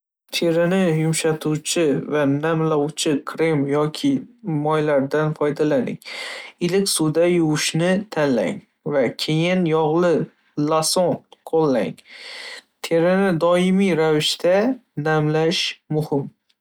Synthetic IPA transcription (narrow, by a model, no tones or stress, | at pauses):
t̪ʰe̞ɾɪnɪjʊmʃat̪ʰut͡ʃʰɪvanamlɒwt͡ʃʰɪkʰɾemjɒkʲʰɪmɒjlaɾd̪anfɒjd̪alanɪ̰ŋɪlɪkʲsud̪ajʊwʊʃnɪt̪ʰanla̰ŋ | vakʲʰe̞jɪnjɒʁlˠɪ | lasonqʰolˠːa̰ŋ | t̪ʰe̞ɾɪnɪd̪ɒɪmijɾavɪʃt̪ʰanamlaʃmʊhɪm